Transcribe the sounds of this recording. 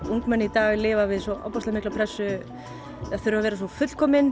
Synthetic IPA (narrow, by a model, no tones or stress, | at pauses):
uŋkmɛnːɪit̪aːɣlɪːvavɪðsɔʔɔ̰wpɔst̪amɪklapʰɾɛsːʏ | aðθʏɾʏvavɛːɾas̬ɔfʏt̪l̥kʰɔːmɪn